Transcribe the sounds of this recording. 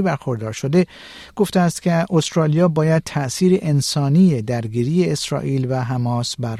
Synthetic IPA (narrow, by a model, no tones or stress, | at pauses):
bæɾxo̞ɾd̪ɒːɾʃo̞d̪e̞ | ɡ̥o̞ft̪eæst̪cʰeʔost̪ɾɒːlijɒːbɒːjæd̪̚t̪ʰæʔsiːɾeʔensɒːniːjed̪æɾɡiːɾiːje̞ːsɾɒ̰ːʔiːlvæɦæmɒːsbæɾ